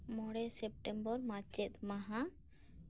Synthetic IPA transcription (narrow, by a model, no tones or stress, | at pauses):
mɔɽɛsɛp̚ʈɛmbɔɾmat͡ʃɛt̪̚maɦã